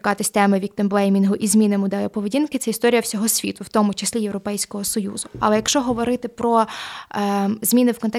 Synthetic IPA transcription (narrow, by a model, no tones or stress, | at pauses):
kɑt̪ɪsʲt̪ɛmɪʋʲik̚t̪ɪmblˠɛjmʲinɦʊʔizmʲinɪmʊd̪ɑjɔpɔʋedʲinkɪt̪sɛist̪ɔɾʲijɐwsʲɔɦɔsʲʋʲḭt̪ʊwt̪ɔmʊt͡ʃesʲlʲijewɾɔpɛjsʲkɔɦɔsɔjṵzʊɐ̰lˠɛjɐkʃt͡ʃɔɦɔʋɔɾɪt̪ɪpɾɔ | zmʲinɪwkɔnt̪ɛ